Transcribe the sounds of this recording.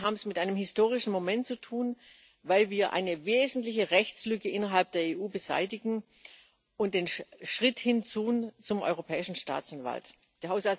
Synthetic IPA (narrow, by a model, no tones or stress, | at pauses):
ɦaːbm̩smɪtʔaɪnəmhɪstoːʁɪʃn̩momɛntt͡sutʰuːn | vaɪlviːɐʔa̰ɪnəveːzn̩tlɪçəʁɛçt͡slʏkəʔɪnɐɦalp̚d̥eːɐeːʔuːbəza̰ɪtɪɡŋ̩ | ʔʊnt̚d̥eːnʃʁ̥ɪthɪnt͡suːt͡sʊmʔɔ̰ʏʁopʰɛːɪʃn̩ʃta̰ːt͡sanva̰lt | d̥eːɐhɦaʊsal